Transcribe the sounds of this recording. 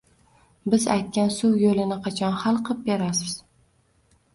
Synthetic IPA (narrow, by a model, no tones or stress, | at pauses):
bɪza̰jt̪̚kʲansuwjolɪnɪqʰɑt͡ʃʰɒnχalˠqʰɨp̚beɾasɪz̥